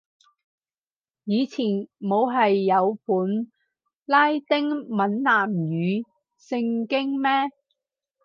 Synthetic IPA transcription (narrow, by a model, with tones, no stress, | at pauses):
jiː˨˧t͡sʰiː˨˩nmo˨˧wɦɐ˨jːɐ˨˧wpʰuː˨˥n | laː˥jt̪ɪ˥ŋmɐ˨˥nlaː˨˩mjyː˨˧˥ | sɪ˧ŋkɪ˥ŋmɛː˥